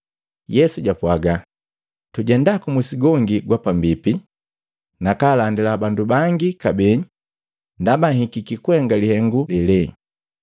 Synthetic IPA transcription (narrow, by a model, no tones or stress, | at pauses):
jɛsuɟapwaɡa | tuɟɛndakumusiɡɔŋɡiɡwapambipi | nakalandilabandubaŋɡikabɛɲ | ndabahikikikwɛŋɡalihɛŋɡulilɛ